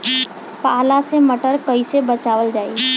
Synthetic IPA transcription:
palaseməʈəɾkəɪsebət͡ʃaʋəld͡ʒai

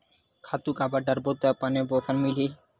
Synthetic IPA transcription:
kʰat̪ukabaɖaɾbot̪ːapanebɔsʰanmili

